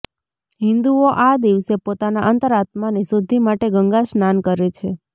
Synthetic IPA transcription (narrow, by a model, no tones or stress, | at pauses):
ɦɪ̃nd̪uoʔad̪iʋsepot̪anaʔənt̪əɾat̪manisud̪ʱimaʈeɡəŋɡasnankəɾet͡ʃʰe